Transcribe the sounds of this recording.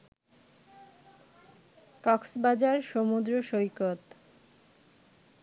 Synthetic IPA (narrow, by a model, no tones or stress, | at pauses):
kɔksbad͡ʑaɾʃomud̪ɾoʃojkot̪